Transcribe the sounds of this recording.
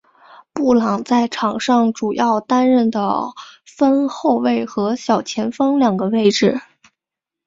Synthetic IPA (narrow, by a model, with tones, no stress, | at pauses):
pu˥˩lɑ˨˩ŋt͡sa˥˩ɪʈ͡ʂʰɑ˨˩ŋʂɑ˥˩ŋʈ͡ʂu˨˩jɑ˥˩ʊt̪a˥nɻə˥˩nd̪ə̰˩fə˥nxo˥˧ʊwe˥˩ɪxɤ˧˥ɕjɑ˨˩ʊt͡ɕʰjɛ˧˥nfɑ˥ŋljɑ˨˩ŋɡə˦we˥˩˧ɪʈ͡ʂɻ̩˥˩